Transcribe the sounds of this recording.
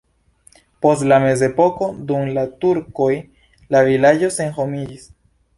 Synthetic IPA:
po̞stlame̞ze̞po̞ko̞d̪umlat̪uɾkoj | lavilad͡ʒo̞se̞ŋxomid͡ʒis

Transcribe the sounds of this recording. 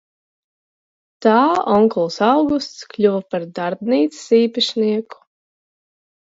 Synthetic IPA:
t̪aːɔŋkɔlˠsawɡust̪sklʲuvapaɾd̪aɾbniːt̪ssiːpaʃniɛku̥

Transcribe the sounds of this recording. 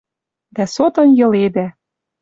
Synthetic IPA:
d̪æsot̪ɤ̆njɤ̆led̪æ

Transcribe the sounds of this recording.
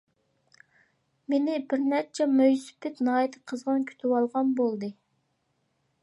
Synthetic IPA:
menɪbɪɾnɛɾt͡ʃʰɛmøjspɪt̪nɑːjt̪ʰə̥qʰəzʁɑnkʲʰy̥t̪ʰɪwɑlˠʁɑnbolˠd̪ɨ

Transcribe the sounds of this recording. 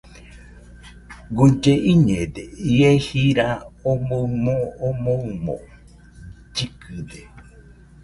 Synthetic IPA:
ɡud͡ʒeʔiɲẽd̪eiehiɾaomomoːmomo̰ | d͡ʒikɨd̪e

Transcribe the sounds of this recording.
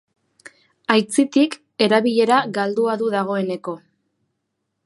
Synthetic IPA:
ajt͡sit̪ik | e̞ɾaβiʎe̞ɾaɡald̪uaðuðaɣ̞o̞e̞ne̞ko̞

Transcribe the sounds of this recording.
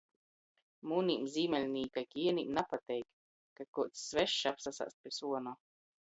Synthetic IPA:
muːniːmzʲiːmɛlʲnʲiːkajkʲiiɛnʲḭːmnapat̪ɛjk | kakuɔt̪sːvɛʃːapsasa̰ːspʲisuɔnɔː

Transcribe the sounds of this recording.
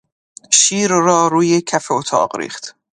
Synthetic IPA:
ʃiːɾrɒːɾuːjecʰæfeot̪ʰɒ̰ːɢɾḭːχt̪

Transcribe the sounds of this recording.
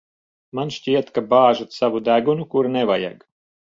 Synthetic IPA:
manʃcʲiɛt̪kabaːʒat̪savud̪æɡunukuɾnevaja̰ɡ

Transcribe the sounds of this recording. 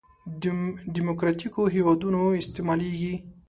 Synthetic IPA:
ɖimokɾɑt̪ikoɦewad̪unoɪst̪emɑleɡi

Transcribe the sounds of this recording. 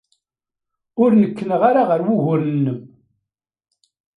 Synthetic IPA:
ʊɾnəkːənəʁaɾaʁəɾwuɣʊɾənːəm

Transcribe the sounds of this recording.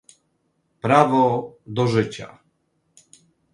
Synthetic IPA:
pɾavɔd̪ɔʐɘt͡ɕa̰

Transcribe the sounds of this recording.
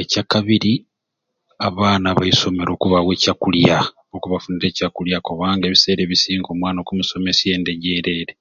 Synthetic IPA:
ecakaβiɾi | aβaːnaβaiso̞meɾo̞ːkuβaɣwecakulja | okuβafuniɾe̞ːcakuljako̞βaːŋɡe̞βise̞ːɾe̞βisiːŋɡo̞ːmwaːnokumuso̞me̞sie̞ːnde̞ɟe̞ɾe̞ːɾe̞

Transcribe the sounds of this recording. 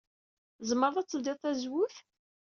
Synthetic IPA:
zməɾˤðˤæt͡sːəld̪ɪˤθæzwʊθ

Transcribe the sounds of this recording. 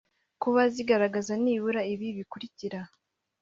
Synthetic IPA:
kuβaziɡaɾaɡazaniːβuɾaiβiβikuɾiciɾa

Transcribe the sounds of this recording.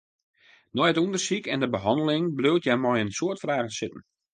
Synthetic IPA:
nɔjətundərsikɛndəbəɦɑndəlɪŋbløwtjamɔjənsoətfraːɣənsɪtn̩

